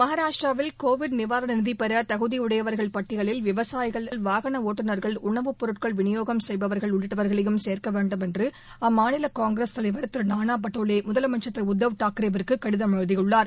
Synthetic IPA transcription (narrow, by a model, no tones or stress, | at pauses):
mɐɦaːɾaːʂʈraːʋɪlkoːʋɪɖnɪʋaːɾɐnɪnðipɛɾɐt̪ɐɣɯðiʊɽɐjɐʋɐɾɣɐɭpɐʈːɪɣɐɭɪlʋɪʋɐsaːjɣɐɭɐlʋaːɣɐɳɐoːʈːɯnɐɾɣɐɭʊɳɐʋɯpːɔɾɯʈ̚kɐɭʋɪnɪjoːɣɐmsɛjbɐʋɐɾɣɐɭʊɭːɪʈːɐʋɐɾɣɐɭɛjɯmseːɾkɐʋeːɳɖɯmɛndrɯ | ɐmaːnɪlɐkaːŋɡɾest̪ɐlɐɪʋɐɾt̪ɪɾnaːnaːp̬ɐʈːoːleːmʊðɐlmɐt͡ʃːɐt̪ːɾɐʊd̪ːɐʋɯʈaːkɪɾɐʋɐɾkɯkːɐɽɪðɐmɐɻɯðɪjɯɭːaːɾ